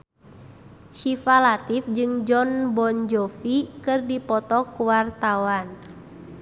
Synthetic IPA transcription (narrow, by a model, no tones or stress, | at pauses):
ʃifalat̪ifd͡ʒɨŋd͡ʒɔnbɔnd͡ʒɔfikɨrdipɔt̪ɔkuwart̪awan